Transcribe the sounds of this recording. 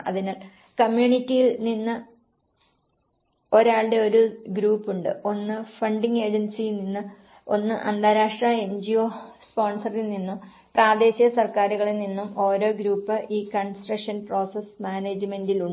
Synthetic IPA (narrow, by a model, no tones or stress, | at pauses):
ɐ̰ðinaːl | kɐmjuːɳitːijilninːɨ | o̞ɾaːɭɨɽe̞o̞ɾuɡɾuːpːuɳɖɨ̰o̞nːɨfɐɳɖiŋɡe̞ːd͡ʑɐnsijilninːɨ | o̞̰nːɨʔɐ̰nd̪aːɾaːʂʈraːe̞nd͡ʑioːspo̞ːɳsɐrilninːum | praːd̪e̞ːɕijɐsɐrkaːɾuɣɐɭininːumo̞ːɾo̞ːɡɾuːpːɨʔiːkɐnsʈrɐkʂɐnpro̞ːsesmaːne̞ːd͡ʑme̞ndiluɳ